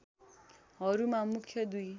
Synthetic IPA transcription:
ɦʌɾumamukʰjʌd̪uj

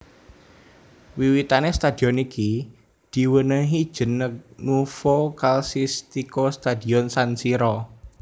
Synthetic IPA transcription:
wiwit̪anest̪ad̪̥iɔniki | d̪̥i̤wənəɦid̥ʒ̥ə̤nək̚nufokalsist̪ikost̪ad̪i̤ɔnsansiɾɔ

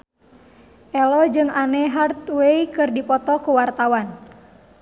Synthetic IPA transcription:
ʔɛlɔd͡ʒɨŋanɛɦart̪̚weikɨrdipɔt̪ɔkuwart̪awan

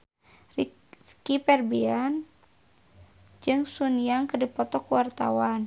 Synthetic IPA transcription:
ri | skipɛrbian | d͡ʒɨŋsuniaŋkərdipɔt̪ɔkuwart̪a̰wan

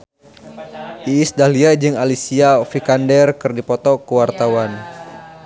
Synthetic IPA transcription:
ʔiːsdahliad͡ʒɨŋalisiafikandɛrkɨrdipɔt̪ɔkəwart̪awan

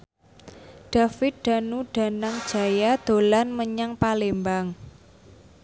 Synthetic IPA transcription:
ɖ̥a̤fɪt̪̚ɖ̪̥a̤nuɖ̥a̤naŋd̥ʒ̥a̤jad̪̥o̤lanməɲaŋpalembaŋ

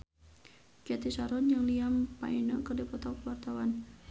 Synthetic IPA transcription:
kɛt̪isaɾɔnd͡ʒaŋliampa̰inəkərdipɔt̪awkəwart̪awan

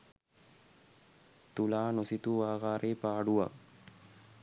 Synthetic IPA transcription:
t̪ulaːnosit̪uʋaːɡaːɾʔeːpaːɽuʋa̰k

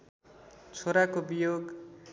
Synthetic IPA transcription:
t͡sʰoɾakobijoɡ

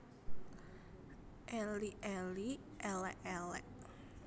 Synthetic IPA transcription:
ʔɛliʔɛli | ʔɛlɛʔɛlɛ̰ʔ

